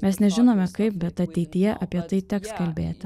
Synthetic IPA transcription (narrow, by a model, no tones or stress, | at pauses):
mʲɛsnʲɛʒʲɪnoːmʲɛkɐɪp̚bʲɛt̪ɐt̪ʲɛɪt̪ʲɪjɛʔɐpʲiɛt̪ɐɪt̪ʲɛkskɐlʲbʲḛːt̪ʲɪ